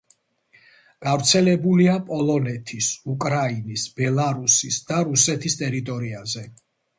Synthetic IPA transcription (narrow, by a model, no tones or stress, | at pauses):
ɡ̥avɾt̪sʰɛlɛbuliapʼɔlˠɔnɛt̪ʰisukʼɾainisb̥ɛlˠaɾusisd̪aɾusɛt̪ʰist̪ʼɛɾit̪ʼɔɾiazɛ